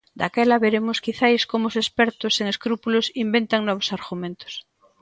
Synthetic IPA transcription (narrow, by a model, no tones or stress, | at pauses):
d̪a̰kɛlaβeɾemoskiθajskomoosespɛɾt̪oseŋeskɾupulosimbent̪aŋnɔβ̞osaɾɣumẽnt̪o̥s